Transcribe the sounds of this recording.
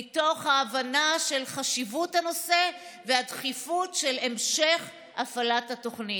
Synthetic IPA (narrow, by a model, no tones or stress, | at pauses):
ito̞χhaːvanaʃe̞lχaʃivuthano̞se̞ | veadχifutʃelemʃe̞χ | ʔafalathato̞χni